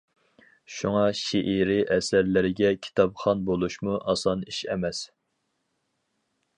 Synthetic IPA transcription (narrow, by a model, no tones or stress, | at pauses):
ʃuŋɑʃiʔiɾɪʔɛsæɾlɪɾɪɡʲɛkʲʰi̥t̪ʰɑpχɑnbolˠuʃmuʔɑsɑniʃɛ̰mɛs